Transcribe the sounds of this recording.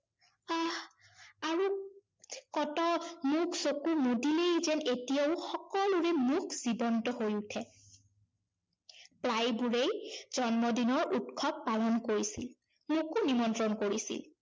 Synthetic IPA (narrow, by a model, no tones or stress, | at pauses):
a | aɹu | kɔtɔmuksokumudilejzɛnetijaʊxɔkɔluɹɛmukʰz̥ibɔntɔɦojutʰɛ | plajbuɹejz̥ɔnmɔdinɔɹʔutkʰɔb̚ːalɔnkoɹisḭl | mukʊnimɔntɹɔnkoɹisḭl